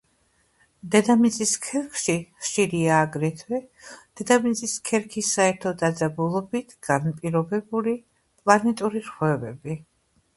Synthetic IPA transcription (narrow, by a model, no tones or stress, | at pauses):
d̪ɛd̪amit̪sʼiskʰɛɾkʰʃiχʃiɾiaːɡɾɛt̪ʰwɛd̪̥ɛd̪amit̪sʼiskʰɛɾkʰisːaɛɾt̪ʰɔd̪ad̪zabulˠɔbit̪ʰɡ̥anpʼiɾɔbɛbuli | pʼlˠanɛt̪ʼuɾiɾχwɛvɛbi